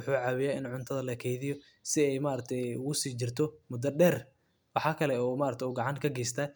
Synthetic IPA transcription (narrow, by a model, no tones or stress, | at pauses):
ʊħuːʕɑβɪjaːɪnʕʊnt̪ʰɐðɐlɐkʰɛjðɪjɔ | sɪɛjmaːɾɐt̪ʰɛjʊɣʊsiːt͡ʃɪrt̪ʰɔmʊd̪ɐɖɛːr | wɑħɑːkʰɐlɛɔːmaːɾɐt̪ʰɛːɡɑʕɑnkʰɐɡɛjst̪ʰaː